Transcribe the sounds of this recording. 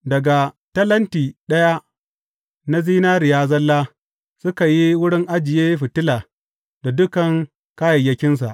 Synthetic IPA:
dɐ˨ɡa˨ | tɐ˦lɐ˦ntiː˨ɗɐ˦ja˦ | na˦ziː˦naː˦ɾɪ˨jaː˦zɐ˦lːaː˦ | sʊ˦ka˨ji˦wʊ˦ɽɪ˦ŋʔa˦d͡ʒɪ˨jeː˦ɸɪ˨tɪ˦laː˨ | da˨dʊ˦kɐ˨ŋ | kaː˦jɐ˨jːɐ˦kʲɪ˦ns̬a̰˨ʔ

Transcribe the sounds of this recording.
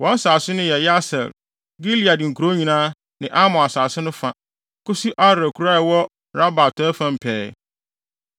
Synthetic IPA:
wɔ̃˦n̩˦saː˨sɪ˦nʊ̃˦jɛ˨jɛ˦a˦sɛ̰˨l | ɡi˦li˨a˨dɪ˨ŋ̩˨kʰu˨ɾo˦ɲĩ˨nãː˦ | nɪ̃˨ʔa˦mʊ̃˨a˨saː˨sɪ˦nʊ̃˦fã˦˨ | kʊ˦si˦ʔa˦ɾɾæ˨kʰu˦ɾa˦˨wɔ˦ | ɾa˦ba˨tʰɛ˦fã˦m˨pʰɛː˦

